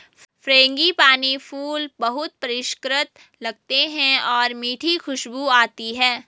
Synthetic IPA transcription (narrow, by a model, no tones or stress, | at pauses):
fɾẽːŋɡipaːnifʰuːlbɐɦʊt̪̚pɐɾɪʃkɾɪt̪ | lɐɡ̚t̪eɦɛ̃ɔːɾmiːʈʰixʰʊʃbuaːt̪iɦɛ̃ː